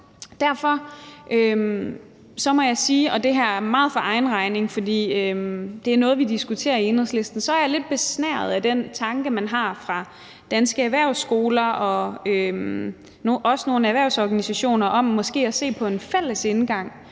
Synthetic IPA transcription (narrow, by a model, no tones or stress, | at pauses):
d̥æɐfɒ̽ʔøm | sɒ̽mɒ̽jɑ̈ɪsiːɒ̽d̥e̝ɦæɐ̰æɐmɑ̈ːð̩ˠfɒʔɑ̈ɪnʁɑ̈ɪne̝ŋfɒ̽d̥ḭːømd̥e̝æɐnɔ̽ːð̞̩ˠʋid̥isɡ̥ut͡sʰe̝̰ːɐie̝nʁəsle̝sd̥n̩sɒ̽æɐjle̝d̥̚b̥e̝snæɐð̞̩ˠæd̥ent͡sʰɑ̈ŋɡ̥əmænɦɑ̈fʁɑ̈ | d̥ænsɡ̥əæʋæɐ̰ʊsːɡ̥o̝ːlɐɒ̽øm | noʔɒ̽səno̝ːnəæʋæɐ̰ʊ̰sɒɡ̥ænisæɕo̝̰ːnɐʔɒ̽mːɒ̽sɡ̥e̝̰ːæse̝̰ːpʰɒ̽e̝nfel̰əse̝nɡ̥ɑ̈ŋ̰